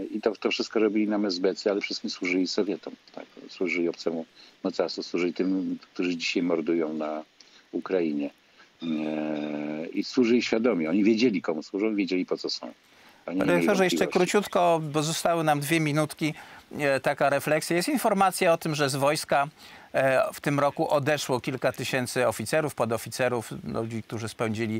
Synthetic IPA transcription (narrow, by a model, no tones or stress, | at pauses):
it̪ɔt̪ɔfʂɘst̪̚kɔɾɔbʲilʲinamɛzbɛt̪sjɛalɛfʂɘst̪kʲimswuʐɘlʲisɔvʲjɛt̪ɔmt̪ʰa̰kswuʐɘlʲiɔpt̪sɛmumɔt̪sasuswuʐɘlit̪ɘmk̚t̪uʐɘd͡ʑiɕajmɔɾd̪ujɔ̃w̃na | ukɾaiɲɛ | iswuʐɘlʲiɕfʲjad̪ɔmʲiɔɲivʲjed͡ʑelʲikɔmuswuʐɔ̃w̃vʲjed͡ʑelʲipɔt̪sɔsɔ̰̃w̃ | aɲɛɾɛkt̪ɔʐɛjɛʂɛkɾut͡ɕut̪kɔpɔzɔst̪awɘnamd̪vʲjɛmʲinut̪kʲit̪akaɾɛflɛksʲjajɛst̪infɔɾmat̪sʲjaɔt̪ɘmʐɛzvɔjska | ft̪ɘmɾɔkuʔɔd̪ɛʂwɔkʲilkat̪ɘɕɛnt̪sɘɔfʲit̪sɛɾufpɔd̪ɔfʲit̪sɛɾuflṵd͡ʑik̚t̪uʐɘspɛw̃d͡ʑilʲi